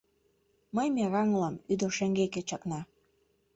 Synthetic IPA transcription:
məjmerɑŋlɑmyd̪oʃĕŋɡeket͡ɕɑknɑ

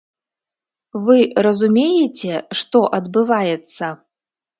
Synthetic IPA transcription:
vɨrɐzumʲejɛt͡sʲɛʂt̪ɔʔɐd̪bɨvajɛt̪sːɐ

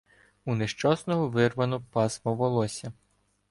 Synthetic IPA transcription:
uneʃt͡ʃɔsnɔɦɔʋɪrʋɐnɔpɑsmɔʋɔlˠɔsʲɐ

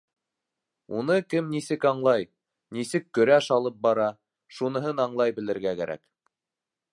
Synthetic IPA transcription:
unɤkɘmnisɘkɑɴlˠɑj | nisɘkːɵ̆ɾæʃɑlˠɤp̚bɑɾɑ | ʃunɤ̆ɦɤnɑɴlˠɑjbɘ̆lɘ̆ɾɡækæɾæ̰k

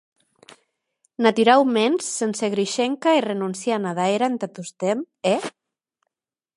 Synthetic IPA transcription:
nat̪yɾawmensːenseɣɾiʃeŋkairenunsjanaðaeɾant̪at̪ust̪em | e

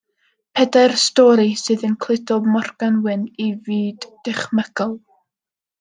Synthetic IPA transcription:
pʰɛdarstɔɾisɨːðənkʰl̥ˠɪdɔbmɔrɡ̥anwɨniviːdːɪχməɡ̥ɔlˠ

